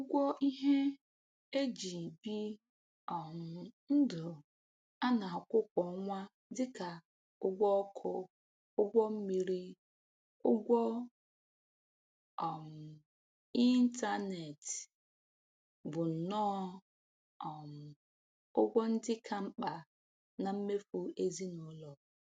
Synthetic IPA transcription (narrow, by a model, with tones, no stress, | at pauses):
ʊ˦ɡʷɔ˦i˦ɦe˦ | e˦d͡ʒi˨bi˦ | ɔ˨m˨n̩˦dʊ˨ | a˦na˨a˨kʷʊ˦kʷɔ˨˦ŋʷa˦ | dɪ˦ka˨ | ʊ˦ɡʷɔ˦kʰʊ˦ | ʊ˦ɡʷɔ˦m̩˦mi˨ɾi˦ | ʊ˦ɡʷɔ˦ | ɔ˨m̩˨ | i˦n̩˦ta˦ne˨t | bʊ˨n̩˨nɔː˦˨ | m̩˨ | ʊ˦ɡʷɔ˦n̩˦dɪ˦kʰa˨m̩˦k͡pa˨ | na˨m̩˦me˦fu˦e˦zi˦nɔ˨˦lɔ˨